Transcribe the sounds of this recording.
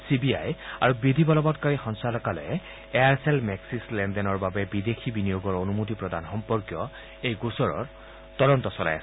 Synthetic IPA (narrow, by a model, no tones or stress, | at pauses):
sibia̰ja̰ɹubɹidʱibɔlɔbɔtkaɹixɔnsalɔkalɛ̰ | eaɹsɛlmɛksislɛndɛnɔɹbabɛbidexʰibinijoɡɔɹonumot̬ipɹɔdanxɔmpɔɹkjɔ | ejɡusɔɹɔ̰ɹ | tɔɾɔntɔsɔla̰ja̰sɛ